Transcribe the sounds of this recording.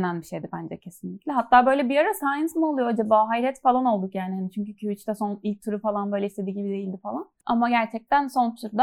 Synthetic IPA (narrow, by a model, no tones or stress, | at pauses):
nænbiʃe̞jd̪ibænd͡ʒɛcʰe̞sinlʲiclʲɛɦat̪ʰːaːbøjlʲɛbiaɾasajnsmuolˠujo̞ad͡ʒabaːɦajiɾɛt̪falˠano̞lˠd̪ukjaːniɦanit͡ʃʰyɲcycʰyβit͡ʃt̪ɛso̞nilʲc̚t̪ʰyɾufalˠanbø̞jlʲɛise̞d̪iːɟibid̪e̞jilʲd̪ifalˠana̰maɟæɾt͡ʃʰɛc̚t̪ʰænso̞nt̪ʰuɾd̪a